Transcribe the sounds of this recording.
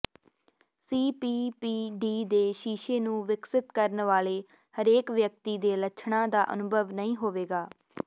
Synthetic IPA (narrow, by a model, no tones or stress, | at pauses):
siːpiːpiːɖiːd̪eːʃiːʃeːnũːʋɪksɪt̪kəɾnʋaːleː | həɾeːkʋjək̚t̪iːd̪eːləʃʰɳãːd̪aːʔə̰nʊbʱəʋnəĩːɦoːʋeːɡaː